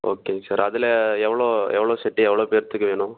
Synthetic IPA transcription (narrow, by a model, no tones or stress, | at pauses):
ʔo̰ːkeːsaːɾɐðɪlɛɛʋːɐɭoːɛ̰ʋːɐɭoːsɛʈːiɛʋːɐɭoːpeːɾt̪ːɯkːɯʋeːɳʊ̃